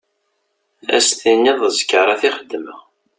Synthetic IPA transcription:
æ̰sθinːiðˤəzə̥kːəɾˤɑθiχəd̪ːmə

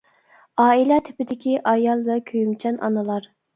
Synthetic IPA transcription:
ɑːilˠɛt̪ʰɪ̥pɪd̪ɪkʲiʔɑjɑlˠvɛkʲʰøjymt͡ʃʰɛnɑ̰nɨlˠɑɾ

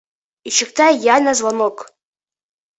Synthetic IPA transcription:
it͡ʃʰɪktʰajanazwanokʼ

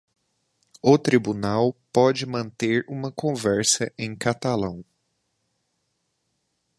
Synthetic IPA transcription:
ʊt̪ɾibunawpɔd͡ʒɪmɐ̃nt̪eɾũmɐkõvɛɾsɐʔẽj̃kat̪alɐ̃w̃

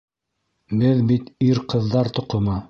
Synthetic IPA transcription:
bɘðbit̪iɾqɤ̆ðːɑɾt̪ŏqŏmɑ

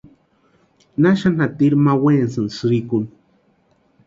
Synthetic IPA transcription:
naʃanat̪iɾmawensɨnsɾikun

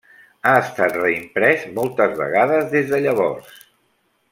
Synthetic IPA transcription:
aəst̪at̪rəimpɾɛzmɔlˠt̪əzβə̰ɣaðəzðezðəʎəβɔrs

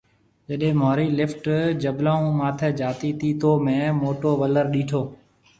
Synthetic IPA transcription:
d͡ʒəɗɦẽːmoːɾiːlɪfʈd͡ʒəblaːũːmaːt̪ʰeːd͡ʒaːt̪iːt̪ʰiːt̪ʰoːmẽːmoːʈoːʋələɾɗiːʈʰoː

